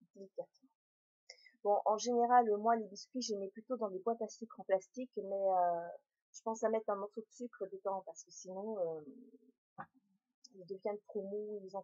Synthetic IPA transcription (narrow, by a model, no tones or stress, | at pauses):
t̪elikat̪ | b̥ɔ̃ʔɑ̃ʒeneʁalømwaleb̪iskʲɥiʒemɛplyt̪od̪ɑ̃lebwat̪asikɑ̃plast̪ikmɛø | ʒ̥əpɑ̃samɛt̪χɛ̃mɔʁsod̪əsykχəd̪ət̪ɑ̃paʁsə̥kəsinɔ̃ø | ild̪əvjɛ̃d̪əpχomud̪ezɑ̃